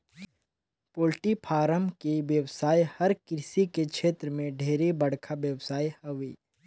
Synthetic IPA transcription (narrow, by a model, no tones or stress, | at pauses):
poːlʈipʰaːɾəmkiʋjəwsaːjhɐɾkɾɪsikekʃeːt̪ɾəmẽɖʱeːɾibɐɽ̤kʰabjəwsaːihɐʋiː